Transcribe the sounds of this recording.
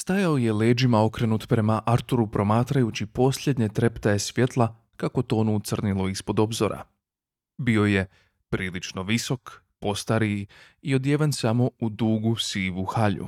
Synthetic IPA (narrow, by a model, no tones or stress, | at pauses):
st̪ajaoje̞le̞ːd͡ʒimao̞kɾe̞nut̪pɾe̞maʔaɾt̪uɾupɾo̞maːt̪ɾajut͡ɕipo̞slʎʲe̞d̪ɲe̞t̪ɾe̞pt̪aesʋje̞t̪lˠa | kako̞t̪o̞ːnut̪sr̩nilˠoispo̞d̪o̞bzo̞̰ɾa̰ | bio̞je | pɾiːlit͡ʃno̞ʋiso̞k | po̞st̪aɾi | io̞d̪je̞ʋensamo̞ud̪uːɡusiːʋuxaʎṵ